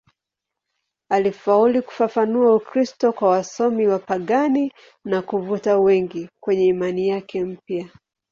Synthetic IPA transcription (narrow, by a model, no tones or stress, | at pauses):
alifauliku̥fafanuaukɾistɔkwawasɔmiwapaɠani | nakuvutawɛŋɡikwɛɲɛimanijakɛm̩pja